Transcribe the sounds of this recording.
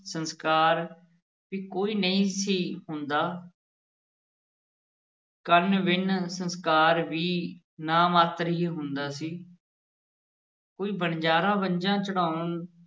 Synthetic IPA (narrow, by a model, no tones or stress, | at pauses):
sənskaːɾ | ʋiːkoːiːnəĩːsiːɦʊnd̪aː | kənʋɪnsənskaːɾʋiː | naːmaːt̪ɾɦiːɦʊnd̪aːsiː | koːiːbəɳd͡ʒaːɾãːbəɲd͡ʒãːt͡ʃəɽaːn